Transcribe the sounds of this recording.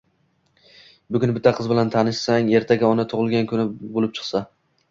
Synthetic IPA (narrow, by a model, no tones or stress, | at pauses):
bʊɡʲʊnbɪt̪ʰːaqʰɨzbɪlant̪ʰanɪʃsaŋe̞ɾt̪ʰaɡʲaɒnat̪ʰʊʁɨlˠɡʲankʰʊnɪbolɪp̚t͡ʃʰɨ̥qsa